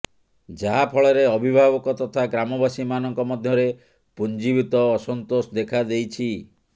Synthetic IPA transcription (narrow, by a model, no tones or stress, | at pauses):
d͡ʒaɦapʰɔɭɔɾeɔbʱibʱabɔkɔt̪ɔt̪ʰaɡɾamɔbasimanɔŋkɔmɔd̪ʱjɔɾe | pund͡ʒibit̪ɔːsɔnt̪osd̪ekʰad̪ejt͡ʃʰi